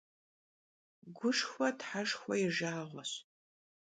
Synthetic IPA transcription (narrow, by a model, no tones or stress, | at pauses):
ɡʷʊʂxʷɔtħaʂxʷɔjɪʒaːʁʷɔɕ